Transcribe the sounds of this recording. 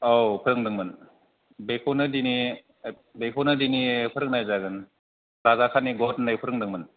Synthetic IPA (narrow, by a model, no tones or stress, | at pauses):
owpʰɯɾɯŋdɯŋmɯn | bekʰonɯdini | bekʰonɯdinipʰɯɾɯk̚najzaɡɯn | ɾazakʰaniɡɔtnɯjpʰɯɾɯŋdɯŋmɯn